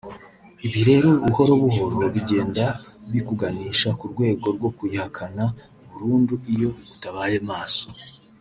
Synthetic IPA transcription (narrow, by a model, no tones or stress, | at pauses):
iβiɾe̞ːɾo̞uuho̞ɾoβuɦo̞ɾoɾoβiɟe̞ːndaβikuɡaniːʃakuɾɡwe̞ːɡo̞ɾɡo̞kujihakʰana | uβuɾuːnduʔijo̞βutaβaːjemaːso